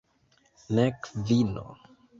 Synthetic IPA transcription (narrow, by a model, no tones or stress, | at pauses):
nɛkvino̰